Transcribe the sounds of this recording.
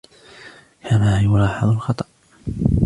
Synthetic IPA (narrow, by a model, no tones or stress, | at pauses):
kʰamaːjʊlɑːħɑðˤʊlxɑt̪ˤɑʔ